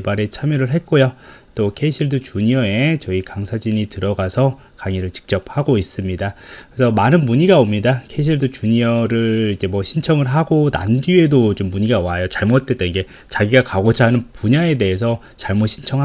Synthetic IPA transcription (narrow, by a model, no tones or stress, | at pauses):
baɾe̞t͡ɕʰamjʌɾɯɭɦe̞t̚k͈ojot͈okʰe̞iɕʰiɭdut͡ɕuɲiʌe̞t͡ɕʌikaŋsʰad͡ʑiɲitɯɾʌɡasʰʌ | kaŋiɾɯɭt͡ɕi̥k̚t͡ɕ͈ʌp̚haɡois͈ɯmɲidakɯesʰʌmanɯnmuɲiɡaomɲidakʰe̞iɕ̬ʰiɭdut͡ɕuɲiʌɾɯɭid͡ʑe̞mwʌɕʰint͡ɕʰʌŋɯɭɦaɡona̰nɡie̞dot͡ɕomːuɲiɡawajot͡ɕaɭmot̚t͈et͈enɡe̞ | t͡ɕaɡiɡakaɡod͡ʑʰaɦanɯnpuɲae̞de̞ɦe̞s̬ʰʌ | t͡ɕaɭmoɕʰint͡ɕʰʌŋɦ